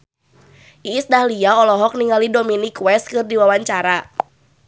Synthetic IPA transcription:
ʔiːsdahliaɔlɔɦɔk̚niŋalidominikwɛst̪̚kɨrdiwawaɲt͡ʃaɾa

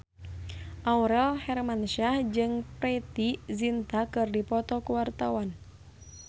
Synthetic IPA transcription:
ʔauɾɛlhɛrmanʃahd͡ʒɨŋpɾɛt̪izint̪akɨrdipɔt̪ɔkuwart̪awan

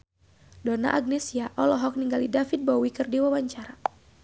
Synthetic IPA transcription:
dona̰ʔaɡ̚nesiaʔɔlɔɦɔk̚niŋɡalidafit̪̚bɔwikɨrdiwawaɲt͡ʃaɾa

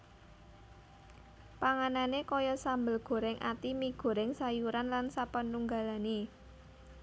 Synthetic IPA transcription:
paŋananekɔjɔsambəlɡ̥o̤ɾɛŋʔa̰t̪imiɡ̥o̤ɾɛŋsajuɾanlansapənːuŋɡalani

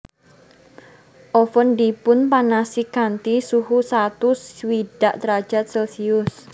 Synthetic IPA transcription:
ʔɔfəndipʊnpanasikant̪isuɦusat̪uswiɖ̥aʔt̪ɾḁʒ̥at̪̚sɛlsiʊs

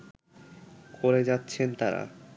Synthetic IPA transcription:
koɾed͡ʑatːɕʰent̪aɾa̰

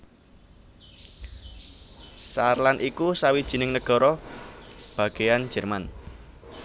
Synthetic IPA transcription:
sarlanʔikusawid̥ʒ̥i̤nɪŋnəɡ̥ɔ̤ɾɔ | b̥a̤ɡ̥ejan̥ʒ̥ɛ̤rman

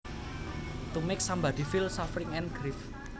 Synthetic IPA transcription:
t̪umɪksambad̥̪i̤fɪlsɔfɾɪŋɛnɡ̥ɾif

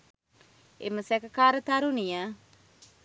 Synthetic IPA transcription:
ḛməsɛkəkaːɾət̪aɾunijə

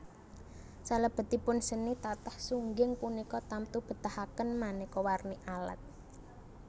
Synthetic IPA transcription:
saləb̥ə̤t̪ipʊnsənit̪at̪ahsuŋɡɪŋpunikɔt̪amt̪ub̥ə̤t̪ahakənmanɛekɔwarniʔala̰t̪̚

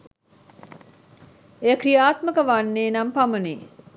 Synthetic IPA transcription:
ejəkrijaːt̪məkəʋanːeːnampaməneː

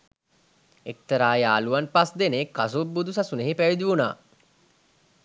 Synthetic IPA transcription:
ek̚t̪əɾaːjaːluʋanpasd̪enekːas̬ubːud̪us̬asuneɦepæʋid̪iʋuna̰ː

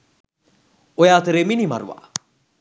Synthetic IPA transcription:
ojaːt̪əɾeminima̰ɾṵwa̰

